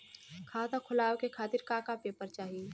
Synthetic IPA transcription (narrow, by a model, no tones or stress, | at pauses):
kʰaːt̪akʰʊlaːwkekʰaːt̪ɪɾkakapepəɾt͡ʃaːɦie